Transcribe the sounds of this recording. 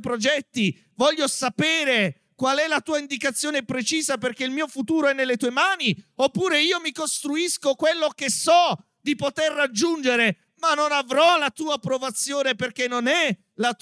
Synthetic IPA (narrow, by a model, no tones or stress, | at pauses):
pɾod͡ʒɛt̪ːi | vɔʎːosapɛːɾe | kwalɛlat̪uːaind̪ikat̪sːjoːnepɾet͡ʃiːzaperk̟eilmiːofut̪uːɾoɛnːelːet̪uːemaːniopːuːɾeiːomikost̪ɾuiskokwelːokesːɔ | d̪ipot̪erːad͡ʒːund͡ʒeɾe | manːonavɾɔlat̪uːapɾovat̪sːjoːneperkenːonɛ | lat̪